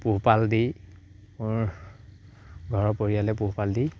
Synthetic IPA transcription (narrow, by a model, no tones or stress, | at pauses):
puɦpaldi | mʊɹ | ɡʱɔɹɔpoɹijalɛpuɦupaldi